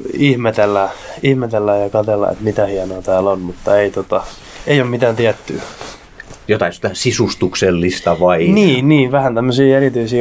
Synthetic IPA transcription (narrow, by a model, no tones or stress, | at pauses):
ihmet̪elːæihmet̪elːæjjɑkɑt̪elːɑ̰ḛt̪mit̪æhiɑnoɑt̪æːlonmut̪ːɑeit̪ot̪ɑ | eiomit̪æːnt̪iæt̪ːy̰ː | jot̪ɑinsi̥t̪æsisust̪ukselːist̪ɑʋɑiniːnniːʋæhænt̪æmːøsiːerit̪yisiː